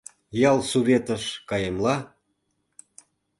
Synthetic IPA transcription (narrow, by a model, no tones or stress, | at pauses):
jɑlˠsuβʲet̪ə̆ʃkɑjemlɑ